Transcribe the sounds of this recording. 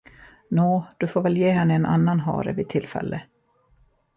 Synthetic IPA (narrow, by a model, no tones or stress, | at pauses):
noːd̪̥ɵfoːɾvɛljeːɦɛnːəɛnʔa̰nːanɦɑ̰ːɾɛ̰vɪt̪ʰːɪlːfɛ̰lːə